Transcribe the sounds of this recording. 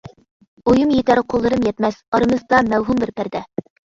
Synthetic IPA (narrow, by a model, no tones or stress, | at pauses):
ojɨmjet̪æɾqʰolˠːɤɾɯmjɛt̪mæsɑɾɤ̆mɤzd̪ɑmæwɦumbɪɾpæɾd̪æ